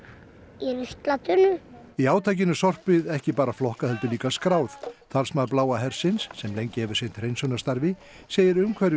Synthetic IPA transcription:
jɛɾɪst̪lat̪ʏnʏ | iaːwt̪ʰajc̬ɪnʏsɔr̥pɪðɛhcɪpaːɾaflɔhkahɛlt̪ʏliːkaskɾaːwθt̪ʰalsmaðplaːwaɦɛɾ̥sɪnsːɛmlejɲcɪhɛvʏɾ̥sejnt̪rejnsɔnast̪aɾvɪ | seːjɪɾʏmkʰvɛɾ

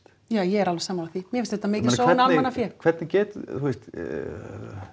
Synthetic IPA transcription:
jaːjɛɛɾalvɛsaːmalaθimjɛfɪst̪ɛt̪ːamɪːcɪsoːvɛnamanafjɛɾkʰvɛt̪nɪcɛːt̪θuɪst̪

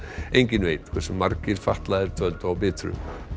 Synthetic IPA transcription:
ejɲcɪnveːjt̪kʰvɛsʏmːaɾcɪɾ̥faht̪laɪɾt̪ʰœlt̪awpɪːt̪ʰɾʏ̰

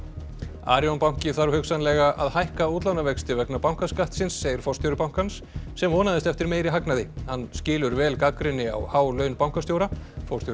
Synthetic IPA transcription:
a̰ːɾjɔnpawŋ̥cɪθaɾhʏksanlɛɣaʔaðhajhkauːt̪lawnavɛkst̪ɪvɛknapawŋ̥kaskaht̪sɪnsːeːjɪɾ̥fɔɾst̪jowɾɪpaw̥ŋ̥kansː | ɛmvɔːnaðɪst̪ɛft̪ɪɾmeːjɾɪɦaknaðɪhanːscɪːlʏɾvɛːlkakɾɪnːɪa̰whaːwlœːɥnpawŋkast̪jowɾafɔwst̪jo

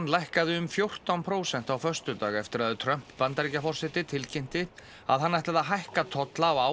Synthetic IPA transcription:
nːlajhkaðɪʏmfjowr̥t̪awnpʰɾoːwsɛn̥t̪awfœrst̪ʏt̪aːɣɛft̪ɪɾaðɪt̪ʰɾœm̥ppant̪aɾicafɔr̥sɪt̪ɪt̪ʰɪlcejm̥t̪ɪ | a̰ðɦanːajht̪aðaɦajhkat̪ʰɔt̪laːwa

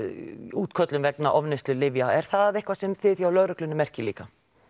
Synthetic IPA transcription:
uːt̪kʰœt̪lʏmvɛknaʔɔvnɪst̪lʏlɪvjaɛɾ̥θaðɪhkvasɛmθɪθjawlœɥɾʏklʏnʏmɛr̥cɪliːka

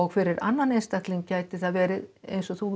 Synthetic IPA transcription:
ɔɣfɪɾɪɾa̰nːanejnst̪akt̪liŋkcaːjt̪ɪθaðvɛːɾɪðḛjnsɔθu

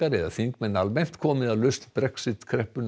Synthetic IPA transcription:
aɾɛðaθiŋkmɛnalmɛn̥t̪kʰɔːmɪðalœst̪b̥ɾɛksɪt̪kʰɾɛhpːʏn

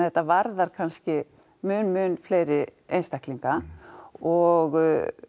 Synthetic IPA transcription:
ɛht̪ːavaɾðaɾ̥kʰanscɪ | mʏːnmʏːnfleːjɾɪejnst̪akliŋka | ɔɣ

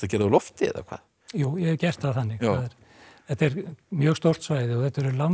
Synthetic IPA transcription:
aðcɛːɾðlɔft̪ɪɛ̰ða̰kʰva̰ːð | juːjɛcɛr̥t̪haðθanːɪɣaðɛɾ̥ | θɛht̪ɛɾmjœːɣst̪owr̥t̪svaːjðɪɔθɛht̪ɛɾʏɾlam

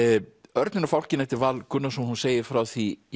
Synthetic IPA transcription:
œɾt̪nɪnafawl̥cɪnɛht̪ɪɾvalkʰʏnːasɛmhunseːjɪɾ̥fɾawθi

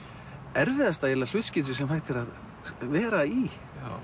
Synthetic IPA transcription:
ɛɾvɪðast̪aɛlal̥ʏht̪scɪt̪̬ʏsɛmhajht̪ɪɾað | vɛːɾai

